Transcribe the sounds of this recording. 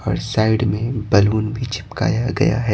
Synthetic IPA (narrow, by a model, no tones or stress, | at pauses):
ɔ̰ːɾsaːɪɽmẽbɐluːnbʱit͡ʃʰɪ̥pka̰ːjaɡɐ̰ja̰ɦɛː